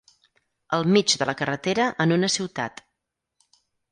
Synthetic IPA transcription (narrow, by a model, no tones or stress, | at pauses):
əlˠmid͡ʒðələkərət̪eɾəʔənunəsiwt̪a̰t̪